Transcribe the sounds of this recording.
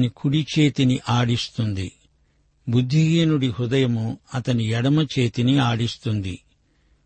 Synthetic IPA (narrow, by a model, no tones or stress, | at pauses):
nikʰuɽit͡ʃe̞ːt̪iniʔaːɽist̪und̪ḭ | bud̪ʱːiɡeːnuɽihud̪ɐjɐmuɐt̪ɐnijɛɽɐmɐt͡ʃe̞ːt̪iniaːɽist̪und̪i